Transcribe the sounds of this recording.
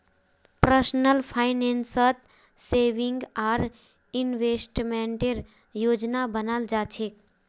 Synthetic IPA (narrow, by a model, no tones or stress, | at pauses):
pɾəsnəlpʰajnensət̪ | seʋiŋɡaɾ | inʋesʈmeɳʈeɾ | joːd͡ʒnabənald͡ʒaːt͡ʃʰek